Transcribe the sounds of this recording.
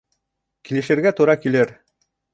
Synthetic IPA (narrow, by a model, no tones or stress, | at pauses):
kilɘ̆ʃɘ̆ɾɡæt̪uɾɑkilɘɾ